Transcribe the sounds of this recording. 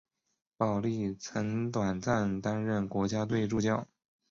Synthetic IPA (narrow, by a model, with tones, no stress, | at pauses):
pɑ˨˩ʊli˥˩t͡sʰɤ˧˥ŋt̪wa˨˩nt͡sa˥˩nt̪a˥nɻə˥˩nkwɔ˧˥t͡ɕja˥t̪we˥˧ɪʈ͡ʂu˥˧t͡ɕjɑ˥˩ʊ